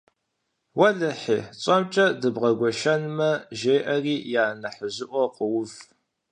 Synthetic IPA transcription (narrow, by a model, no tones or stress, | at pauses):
wɐɮɐħiːt͡sʼɐmt͡ʃʼɐdɨbʁɐɡʷɔʃɐnmɐʒeːʔɐriːjaːnɐħəzɨʔʷɔqəwʊf